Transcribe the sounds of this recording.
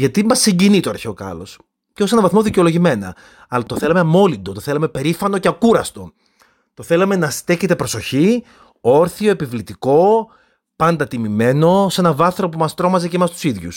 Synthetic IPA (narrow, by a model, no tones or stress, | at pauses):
ʝɐt̪imɐsːiɲɟinit̪o̞ɐɾçeo̞kɐ̰lo̞̰s | ceosenɐvɐθmo̞ðiceoloʝime̞nɐ̰ | ɐlɐt̪oθelɐmeɐmo̞lind̪o̞t̪oθe̞lɐme̞pe̞ɾifɐno̞ceɐkuɾɐst̪o̞ | t̪o̞θe̞lɐme̞nɐst̪e̞çe̞t̪epɾo̞so̞çi | oɾθio̞epivlit̪iko̞ | pɐnd̪ɐt̪imime̞no̞senɐvɐθɾo̞pumɐst̪ɾo̞mɐze̞ceimɐst̪u̥siðʝṵs